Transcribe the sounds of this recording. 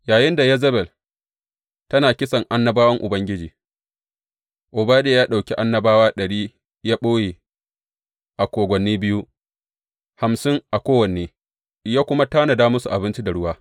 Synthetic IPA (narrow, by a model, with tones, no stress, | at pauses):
jaː˨jɪ˦nda˨jɛ˦zɐ˦bɛ˨l | tɐ˦naː˨kʲɪ˦sɐ˨ŋʔa˦nːɐ˦baː˦wɐ˦ŋʔʊ˨bɐ˦ŋɡʲɪ˦d͡ʒiː˨ | ʔʊ˨baː˦deː˦jaː˦ɗa˨kʲi˦ʔa˦nːɐ˦baː˦waː˦ɗɐ˨ɽiː˦ | jaː˦ɓoː˦jeː˨ | ʔa˨kʷoː˨ɡʷɐ˨nːiː˦bɪ˦ju˦ | ha˨msɪ˦ŋʔa˨kʷoː˦wɐ˨neː˨ | ʔɪ˨jaː˦kʷʊ˦ma˦taː˦nɐ˨daː˦mʊ˦su˨ʔa˨bɪ˦nt͡ʃi˦da˨ɽʊ˦waː˦